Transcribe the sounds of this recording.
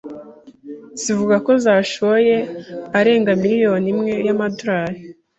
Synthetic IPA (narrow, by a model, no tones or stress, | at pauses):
z̥ivuɡako̞zaːʃoje̞aɾe̞ːŋɡamiɾijo̞nimŋe̞jamadoɾaːje